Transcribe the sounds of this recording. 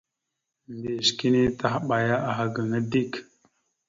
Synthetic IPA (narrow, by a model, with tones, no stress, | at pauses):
nde˨ʃki˦ni˦t̪a˦ɦɓa˨ja˦ʔa˨ɦa˨ɡə˨ŋə˦di˦k